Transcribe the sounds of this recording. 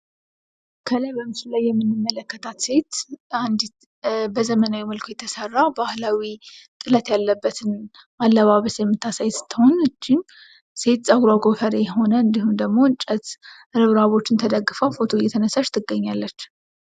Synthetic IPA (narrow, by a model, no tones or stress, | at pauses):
kʰəlajbəmɨslajːɛmːɨnːɨmːələkːət̪ʰat̪se̞t̪and̪ | bəzəmənawiməlkʰo̞jɛt̪ʰəsərːabahlawit̪ʼɨlət̪jalːəbːət̪ʰɨn | ʔalːəβaβəsjɛmːɨt̪ːasajsɨ̥t̪ʰːəho̞nɨd͡ʒːɪn | se̞t̪sʼəɡɾaɡofəɾejɛɦo̞nəɨnd̪ihumd̪əɡmo̞ɨnt͡ʃʼət̪ | ɨɾɨβɾaβo̞t͡ʃːɪnt̪ʰəd̪əɡːɨfəwfo̞t̪ʰo̞jːɛt̪ʰənəsaʃt̪ʰɨɡːəɲːalːət͡ʃː